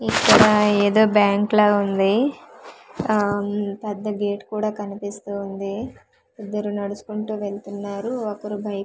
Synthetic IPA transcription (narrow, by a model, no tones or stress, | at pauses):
ikːɐɽɐeːd̪o̞ːbjaːŋklaːund̪i | pɛd̪ːɐɡe̞ːʈkuːɽaːkɐnipist̪uːnd̪i | id̪ːɐɾunɐɽusu̥kuɳʈuːʋe̞ɭt̪unːaːɾuɔkɐɾubʱɐj